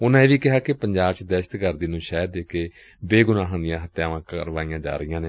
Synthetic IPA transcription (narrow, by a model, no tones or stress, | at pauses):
ʊnãːeːʋiːkɪɦaːkɪpəɲd͡ʒaːbt͡ʃd̪ɛːʃə̥t̪ɡəɾd̪iːnũːʃɛːjd̪eːkeː | beːɡʊnãːɦãnd̪ɪjãːɦət̪ːjaːʋãːkəɾʋaːijãːd͡ʒa̰ːɾəijãːnẽː